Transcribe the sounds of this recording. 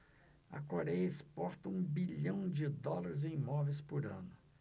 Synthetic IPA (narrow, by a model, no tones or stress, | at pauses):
ɐ̰koɾɛjɐɪspɔɾt̪ɐũbiʎɐ̃w̃d͡ʒɪd̪ɔlaɾɪzẽj̃imɔvejspʊɾɐ̰̃nʊ